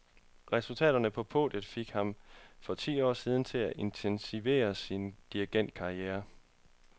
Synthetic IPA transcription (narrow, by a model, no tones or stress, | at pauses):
ʁɛsult͡sʰɛ̰ːɾ̥ɐnəpʰɒ̽pʰo̝̰ːd̥jəð̩ˠfe̝ɡ̥hɑ̈mfɒ̽t͡sʰḭːɒ̰ːsiːð̞ˠn̩t͡sʰe̝læʔe̝nt͡sʰensiʋe̝̰ːɐsind̥iɐɡ̥en̰d̥̚kʰɑ̈ieːɐ